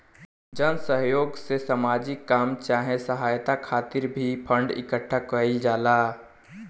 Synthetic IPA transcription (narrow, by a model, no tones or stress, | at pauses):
d͡ʒənsəɦjoːɡsesəmaːd͡ʒikːaːmt͡ʃaːɦẽsəɦaːjt̪akʰaːt̪ɪɾbʱipʰə̃ɳɖɪ̰kəʈʰːakəid͡ʒaːlaː